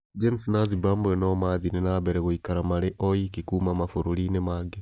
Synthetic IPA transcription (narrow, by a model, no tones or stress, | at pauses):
d͡ʒemisinazibaːmbenomaðinenaβeɾeɣoikaɾamaleʔojikikumamafuɾulinemaɡe